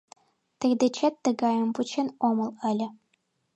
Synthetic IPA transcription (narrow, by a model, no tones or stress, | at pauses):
t̪ĕrʲd̪et͡ɕet̪ːɤ̆ɡɑjɤ̆mput͡ɕĕnomɤ̆lˠɘlʲɘ̆